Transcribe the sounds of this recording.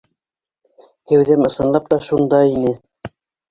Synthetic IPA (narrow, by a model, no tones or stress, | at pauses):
hæwðæmɤ̆sɤ̆nlˠɑp̚t̪ɑʃund̪ɑinɘ